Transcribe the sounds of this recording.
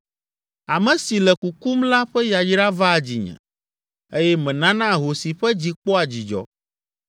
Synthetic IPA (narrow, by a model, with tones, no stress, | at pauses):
a˨mɛ̃˨si˨lɛ˨ku˨ku˦mla˦ɸɛ˦ja˨d͡ʒɖa˦va˦˨d͡ʑḭ˨ɲɛ̰̃˨ | e˦jɛ˦mɛ̃˨nã˦nã˦˨ɦo˨si˨ɸɛ˦d͡ʑi˨k͡pɔ˦a˨d͡ʑi˨d͡ʒɔ̰˨˦